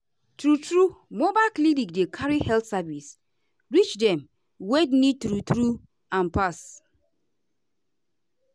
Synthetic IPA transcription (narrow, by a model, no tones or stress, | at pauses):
tɾutɹumobalklinikdekʰaɹihɛltsavis | ɹit͡ʃdɛ̃m | wednitɾutɾu | ãnpas